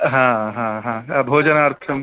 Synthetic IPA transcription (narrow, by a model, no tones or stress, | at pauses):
ɦãɦãɦãbʱoːd͡ʒənaɾt̪ʰɐm